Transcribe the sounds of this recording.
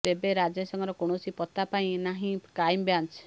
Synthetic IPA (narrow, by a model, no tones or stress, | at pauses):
ebeɾad͡ʒesɔŋɡɔɾɔkoɽ̃osipɔt̪ːapaĩnaɦĩkajmbjant͡ʃ